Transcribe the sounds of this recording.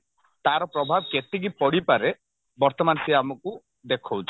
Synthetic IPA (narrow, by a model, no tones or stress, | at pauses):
t̪aɾɔpɾɔbʱabket̪iɡipɔɽipaɾe | bɔɾt̪ɔmansiamɔku | d̪ekʰɔwt͡ʃʰi̥